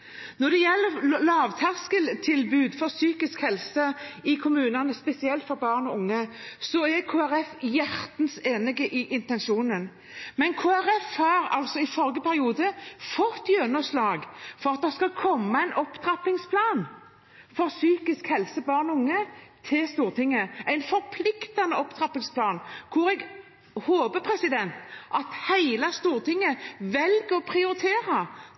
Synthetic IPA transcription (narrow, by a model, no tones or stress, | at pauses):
nɔd̪ɛjɛlːəɾlɑːʋt̪ʰæʁskəlt̪ʰɪlbʉːd̪fɔɾsyːkɪskhɛlsəɪkʰʊmʉːnɑnəspɛsɪɛlt̪fɔɾbɑːʁnɔʊŋːəsɔɛkʰoːæʁɛfjæɾt̪nseːnɪɡəʔɪʔɪnt̪ɛnʃuːnən | mɛnkʰoːæɾɛfhɑːɾɑ̰lsɔɪfɔɾɡəpʰæɾɪuːd̪əfɔt̪ːjøːnɔslɑːɡfɔɾɑt̪̚d̪ɛskɑkʰɔmːəæɪnʔɔpt̪ʰɾɑpɪŋspʰlɑːn | fɔɾsyːkɪskhɛlsəbɑːʁnʊŋːət̪ʰɪlst̪uːɾt̪ʰɪŋːəæɪnfɔɾpʰlɪkt̪ɑnəɔpt̪ʰɾɑpːɪŋspʰlɑːnkʰʊɾɛɡ | hoːbəpʰɾɛsɪd̪ɛnt̪ʔɑt̪hæɪlɑst̪uːɾt̪ʰɪŋːəʋɛlɡəɾɔpʰʁɪʊɾɪt̪ʰeːɾɑ